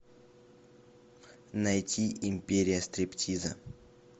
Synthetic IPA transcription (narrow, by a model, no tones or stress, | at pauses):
najtʲʰiʔimʲpʲeɾʲijəst̪ɾʲeptʰʲizə̰